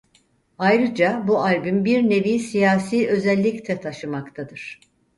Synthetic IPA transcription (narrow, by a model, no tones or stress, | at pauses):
ajɾɯd͡ʒabuaɾbymbiɾne̞vijsijaːsiːʔø̞zɛlʲːict̪ʰɛt̪ʰaʃɯmakt̪ʰad̪ɯɾ̥